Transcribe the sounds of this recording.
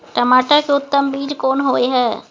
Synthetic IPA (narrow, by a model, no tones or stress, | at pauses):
ʈəmaːʈəkeʊt̪ːəmbiːɾkoːnɦoːeɦɛː